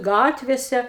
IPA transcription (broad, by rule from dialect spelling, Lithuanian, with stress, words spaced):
ˈɡɑːtʲʋʲeːsʲɛ